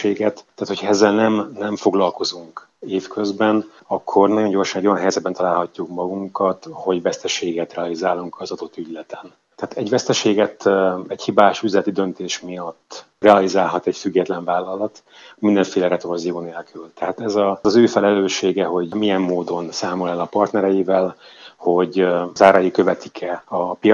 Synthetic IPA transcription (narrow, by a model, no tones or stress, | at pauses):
eːɡɛt̪ːaːt̪hocʰɒɛzːɛlnɛmnɛɱfo̞ɡlɒlko̞zuŋkeːfkø̞zbɛn | ɒkʰːo̞rnɒɟo̞ɲɟo̞rʃɒnɛɟojnɦɛjzɛd̪̚bɛnt̪ɒlaːlɦɒcːukmɒɡuŋkɒt̪ho̞ɟvɛst̪ɛʃeːɡɛt̪rɛɒlizaːlːuŋkʰɒzɒd̪o̞t̪ːyɟlɛt̪ɛn | t̪ɛaːt̪ɛɟvɛst̪ɛʃeːɡɛt̪ɛchibaːʃyzlɛt̪id̪ø̞nt̪eːʃmijɒt̪ː | rɛɒlizaːlɦɒt̪ɛcfyɡːɛt̪lɛɱvaːlːɒlɒt̪ | mind̪ɛɱfeːlɛɾɛt̪ovozijoːneːlkʰylt̪ɛɦaːt̪ɛzɒɒzøːfɛlɛløːʃeːɡɛɦo̞ɟmijɛmːoːd̪o̞nsaːmolɛlɒpɒrt̪nɛɾɛjivɛlho̞ɟzaːɾɒjikø̞vɛt̪ikʰɛɒpi